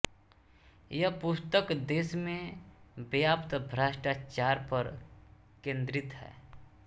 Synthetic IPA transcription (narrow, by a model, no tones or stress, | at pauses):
jəpʊst̪əkd̪eːsmẽbjaːpt̪bʱɾaːʃʈat͡ʃaːɾpəɾ | kẽːnd̪ɾɪt̪ɦɛ̰ː